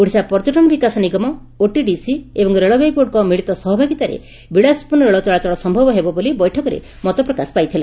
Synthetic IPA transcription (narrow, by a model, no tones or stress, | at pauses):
uɽ̤isapɔɾd͡ʒɔʈɔnɔbikasɔniɡɔmɔ | oʈiɖisiebɔŋɾeɭɔbepoɖkɔmiɭit̪ɔsɔɦɔbʱaɡit̪aɾḛ | biɽaspuɾnɾeɭɔt͡ʃɔɭat͡ʃɔɭɔsɔmbʱɔbɔɦebɔbolibɔjʈʰɔkɔɾḛ | mɔt̪ɔpɾɔkaspajt̪ʰila̰